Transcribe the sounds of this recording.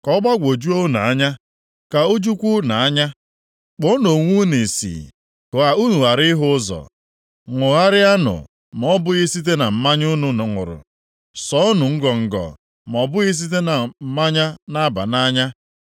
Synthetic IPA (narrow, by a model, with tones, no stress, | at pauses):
kɔ˦ɡ͡ba˦ɡʷo˨d͡ʒu˦o˦na˨a˦ɲa˦ | ka˨o˦d͡ʒu˦kʷu˦na˨a˦ɲa˦ | k͡po˦no˨ŋʷu˦ni˨sḭ˨ | kʊ˨a˨u˦nu˨a˨ɾɪ˦ɦʊ˦ʊ˦zɔ̰˨ | ŋʷʊ˨ɣa˦ɾɪ˦a˦nʊ̰˨ | m˨ɔ˦bʊ˦ɣi˦si˦t̬e˦na˨m̩˨ma˦ɲ˦ʊ˦nʊ˨nʊ˨ŋʊ̰˨ɾʊ̰˨ | sɔ˨˦ʊ˦nʊ˨ŋ̩˦ɡɔ˨ŋ̩˨ɡɔ̰˨ | m˨ɔ˨bʊ˦ɣi˦s̬i˦t̬e˦na˨m̩˨ma˦ɲa˦na˦ba̰˨na˦ɲa˦